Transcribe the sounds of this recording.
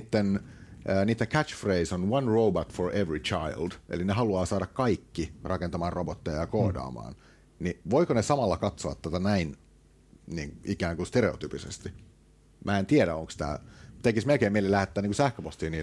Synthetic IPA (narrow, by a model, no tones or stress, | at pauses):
t̪ːenʔːniːt̪ːeŋkʰæt͡ʃfreisonwɑnroːbɑt̪foɹeʋɹit͡ʃʰɑjld̥ʔḛlineɦɑluɑːsɑːɾɑkkɑikːirɑkent̪ɑmɑːnrobot̪ːejɑjɑkoːdɑ̰ːmɑ̰ːn | niʋoikonesɑmɑlːɑkɑt̪soɑ̰t̪t̪ːæt̪ænæin | niːŋʔikæːŋkust̪eɾeot̪yːpisḛst̪i | mʔæːent̪ieɾæoŋkst̪æ̰ːt̪ekismelkeimeilːelæhet̪ːæːniŋkusæhkøpost̪iːniː